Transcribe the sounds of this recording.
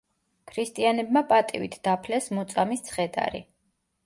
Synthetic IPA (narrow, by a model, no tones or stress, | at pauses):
kʰɾist̪ʼianɛbmapʼat̪ʼivit̪ʰd̪̥apʰlɛsmɔt̪sʼamist̪sʰχɛd̪a̰ɾḭ